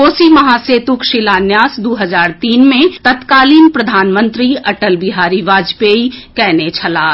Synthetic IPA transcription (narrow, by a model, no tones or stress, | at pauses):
oːsimɐɦaːseːt̪ukʃɪlaːnjaːsd̪oːɦəzaːɾt̪iːnmẽt̪ɐt̪kaːliːnpɾəd̪ʱaːnmə̃nt̪ɾiɐʈəlbɪɦaːɾiʋaːd͡ʒpeːikɛːnet͡ʃʰɐlaː